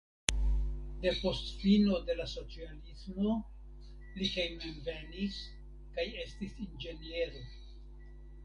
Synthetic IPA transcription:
de̞po̞stfino̞de̞laso̞t͡sialismo̞ | likejmanve̞nis | kaje̞stisind͡ʒe̞nie̞ɾo̞

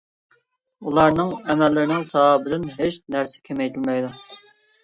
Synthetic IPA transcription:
ulˠɑɾnɨŋɛmɛlːɪɾɪnɪŋsɑbɪlɪnɦeʃnæɾsɪ̥kʲʰemɛjt̪ʰɪlmɛjd̪u

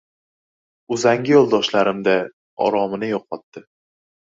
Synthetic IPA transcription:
ʊzaŋɡʲɪjɒlˠd̪ɒʃlaɾɪmd̪a | ɒ̰ɾɒmɪnɪjɒqʰɒt̪ːɪ

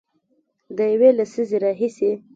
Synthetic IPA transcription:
d̪əjawelasizeɾɑɦise

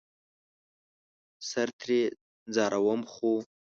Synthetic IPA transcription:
saɾt̪ʰɾe | d͡zɑɾʔawəmχu

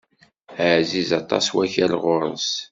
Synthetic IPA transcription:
əʕzizɑt̪ˤɑ̰swæçælʁʊɾˤəns

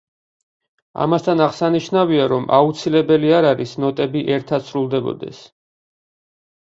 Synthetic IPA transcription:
a̰mast̪ʰanaʁsaniʃnaviaɾɔmʔa̰ut̪sʰilɛbɛliaɾaɾisnɔt̪ʼɛbiʔɛɾt̪ʰat̪sʰɾulˠd̪ɛbɔ̰d̪ɛ̰s

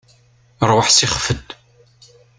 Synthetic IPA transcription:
ɾwəħsɪχfəd̪

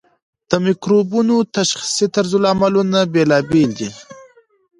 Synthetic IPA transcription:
d̪̥əmikɾobunot̪aʃxi̥sit̪aɾzulamalunabelɑbeld̪i

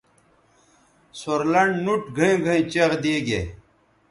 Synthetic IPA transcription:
soɾlɐɳɖnuʈɡʱɐĩɡʱɐĩt͡ɕeʁd̪iːɡḛ

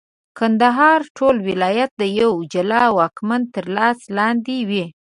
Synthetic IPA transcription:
kand̪aɦɑɾʈʰolwɪlɑjat̪̚d̪əjawd͡ʒalɑwɑkmant̪əɾlɑslɑnd̪ewe

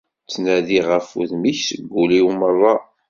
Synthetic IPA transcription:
t͡sːnæðiʁəfṵðmiçsəɡʷːuliwmərˤːɑ

